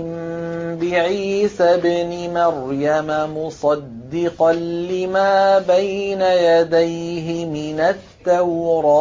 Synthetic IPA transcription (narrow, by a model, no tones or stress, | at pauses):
ɪmbɪʕiːsabnɪmaɾjamamʊsˤɑd̪ːɪqɑnlɪmaːbajnajad̪ajɦɪmɪnat̪ːawɾˤɑː